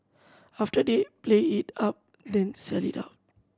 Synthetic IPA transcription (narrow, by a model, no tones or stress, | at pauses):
afʈədepleiʈap̚ | d̪ɛ̃nsɛlita̰ʊt̚